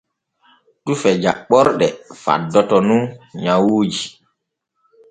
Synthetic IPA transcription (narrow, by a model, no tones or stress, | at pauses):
tufɛd͡ʒa̰ɓɔɾɗɛfa̰dːɔtɔnuɲawud͡ʒi